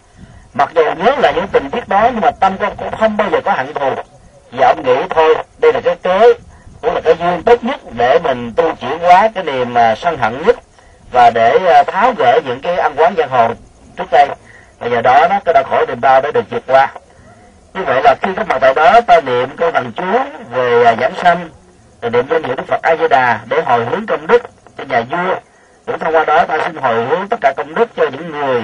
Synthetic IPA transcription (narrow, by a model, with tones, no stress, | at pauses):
ma˨˩t̚zu˨˩wɲəː˨˦laː˨˩ɲɨ̰˧˥ŋt̪ï˨˩ŋ̟t̪i˦˥ət̚ɗɔ˨˦ɲɨ˧ŋmaː˨˩t̪a˧mkə˧ŋ͡mkʊ̰˧˥ŋ͡mxə˧wŋ͡mɓaː˧wzəː˨˩kɔ˨˦ɦa̰ː˧˨ŋt̪ʰu˨˩ək̚ | t̪ʰi˨˩ʔə˧wŋ͡mŋḭ˧˥t̪ʰo˧jɗə˧jlaː˨˩kaː˨˦jke˨˦kʊ˧˥˩laː˨˩kaː˨˦jzɨ˧əŋt̪o˦˥t̚ɲə˦˥t̚ɗe˧˩mï˨˩ŋ̟t̪u˧t͡ɕwḭ˧˩ənkwaː˨˦kaː˨˦jɗi˨˩əmː˨˩sa˧ŋɦə̰˧˨nɲə˦˥t̚ | vaː˨˩ɗe˧˩˨t̪ʰaː˨˦wɣḛ˧˨ɲɨ̰˧˥ŋkaː˨˦jʔa˧nkwaː˨˦ŋza˧˩ŋɦo̰˧˨ŋ͡m | t͡ɕɨ˦˥k̚ɗə˧j | vaː˨˩zəː˨˩ɗɔ˨˦ɗɔ˨˦kaː˨˦ɗa˨˦xo˧˩jɗi˨˩əmɗaː˧wɗa̰˧˩ɗɨ˨˩ək̚zi˨˩ət̚kwaː˧ | ɲɨ˧və̰˧˨jlaː˨˩xi˧kaː˨˦˥k̚ma̰˨˩t̪əː˧˩ɗɔ˨˦t̪aː˧nḭ˧˨əmkə˧wlə˨˩ŋt͡ɕu˨˦əve˨˩˨za̰ː˧˩nsa˧n | t̪aː˨˩nḭ˧˨əmzə˧nhḭ˧˩əɗɨ˦˥k̚fə˨˩t̚ʔaː˧zi˧ɗaː˨˩ɗe˧˩ɦo˨˩jɦɨ˨˦əŋkə˧wŋ͡mɗɨ˦˥k̚t͡ɕɔ˧ɲaː˨˩zu˧ə | ɲɨ̰˧˥ŋt̪ʰa˧wŋ͡mkwaː˧ɗɔ˨˦t̪aː˧si˧nɦo˨˩jhɨ˨˦əŋt̪ə˦˥t̚kaː˧˩kə˧wŋ͡mɗɨ˦˥k̚t͡ɕɔ˧ɲɨ̰˧˥ŋːɨ˨˩əj